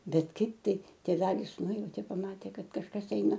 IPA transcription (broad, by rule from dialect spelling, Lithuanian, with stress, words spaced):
ˈbʲɛt ˈkɐɪp ˈtɐɪ tʲeːˈʋʲæːlʲɪs ˈnʊjɛʊtʲeː pɐˈmɑːtʲeː ˈkɐt kɐʃˈkɐs ˈɛɪnɐ